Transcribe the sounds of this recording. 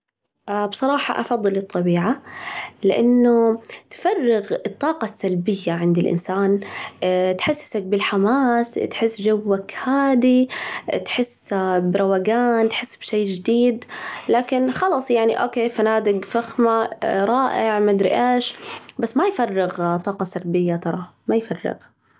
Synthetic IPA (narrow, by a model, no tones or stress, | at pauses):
ʔbsˤɑɾˤɑːħɑ̰ʔɑ̰fɑðˤːɨlɨt̪ˤːɑbiːʕalɪʔanːʊt̪fɑrˤːɪɣɨt̪ˤːɑːqɑsːalbɪjːaʕɪnd̪ɪlʔɪ̰nsaːn | t̪ħɪsːsak̚bɪlħamaːst̪ħɪsːd͡ʒawːakhaːd̪it̪ħɪsbɪɾˤawaɡaːnt̪ħɪsːbʃeːd͡ʒɪd̪iːd̪laːkɪnxɑlɑsˤjaʕniʔoːkeːfanaːd̪ɪɡfaxmaɾˤɑːʔɪʕmad̪ɾɪ̰ʔaːʃbasːmajfɑrˤːɪɣt̪ˤːɑːqɑsalbɪjːat̪ɑɾˤɑmajfɑrˤːɪ̰ɣ